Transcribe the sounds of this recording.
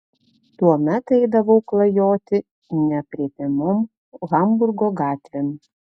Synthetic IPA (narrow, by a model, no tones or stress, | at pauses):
t̪uɔmʲɛt̪ɛɪd̪ɐʋɐʊklˠɐjoːt̪ʲɪ | nʲɛpʲɾʲiɛpʲemom | ɣɐmbʊɾɡoːɡɑːt̪ʲʋʲɛm